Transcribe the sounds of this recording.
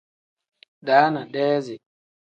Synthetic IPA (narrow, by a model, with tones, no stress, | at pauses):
ɗaː˦na˨ɗɛː˦zɛ˨